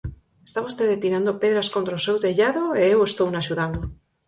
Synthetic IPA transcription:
est̪aβaust̪eðet̪iɾand̪opeðɾaskont̪ɾaosewt̪eʎaðoeewest̪ownaʃuðand̪o

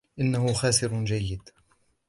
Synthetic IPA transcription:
ʔɪnːahʊxaːsɪɾd͡ʒajːɪd̪

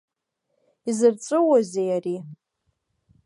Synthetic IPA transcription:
izɨrt͡sʷʼɨwazejari

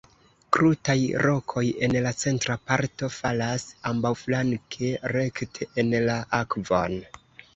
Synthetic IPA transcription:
kɾutajɾo̞kʰo̞je̞nlat͡se̞ntɾapaɾto̞falasambawflaŋkʰe̞ɾe̞ktʰeʔenlaʔakvo̞̰n

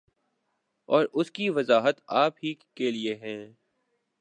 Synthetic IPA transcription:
ɔːɾʊskiʋɐzaːɦət̪aːpɦikelieɦɛ̃ː

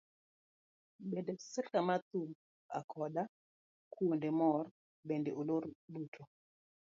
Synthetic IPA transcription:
ɓɛndɛsikamat̪um | a̰kʰɔɗa | kʰuondɛmɔɾ | bɛndɛʔoloɾɗutʰo

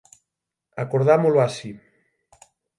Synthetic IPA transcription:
akoɾð̞amoloasi

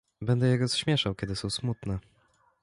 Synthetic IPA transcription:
bɛnd̪ɛjɛɡɔsɕmʲjɛʂawkʲɛd̪ɘsɔ̃w̃smut̪nɛ

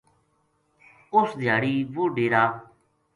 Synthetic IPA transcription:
ʊsd̪ʱjaːɽiːʋuɖeːɾaː

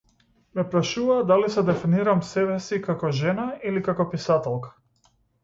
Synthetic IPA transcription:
mɛpɾaʃuvad̪alisɛd̪ɛfiniɾamsɛβɛsikakɔʒɛnailikakɔpisat̪ɛlˠkḁ

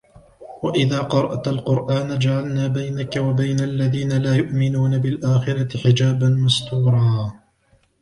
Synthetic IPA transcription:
waʔɪðaːqɑɾˤɑʔt̪alqʊɾʔaːnad͡ʒaʕalnaːbajnakawabajnaʔlːaðiːnalaːjʊʔmɪnuːnabɪlʔaːxɪɾˤɑt̪ɪħɪd͡ʒaːbanmast̪uːɾˤɑː

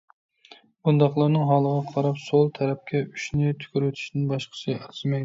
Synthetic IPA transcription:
bund̪ɑχlˠɑɾnɨŋɦɑːlˠəʁɑqʰɑɾɑpsolˠt̪ʰɛɾɛp̚kʲʰɛyʃnɪt̪ʰy̥kʲyɾøt̪ʰy̥ʃnɪnbɑʃqʰə̥sʰɨɑɾzmɛj

